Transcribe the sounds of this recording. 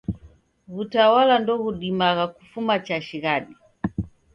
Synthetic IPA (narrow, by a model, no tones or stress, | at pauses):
ɣutawalandɔɣuɗimaɣakufumat͡ʃaʃiɣaɗi